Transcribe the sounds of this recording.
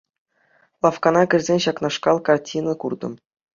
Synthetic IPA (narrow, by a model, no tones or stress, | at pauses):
lˠɑfkɑnɑkʲɘ̆rʲzʲenʲɕɑknɑʂkɑlˠkɑrtʲʰinɤ̆kurd̪ɤ̆m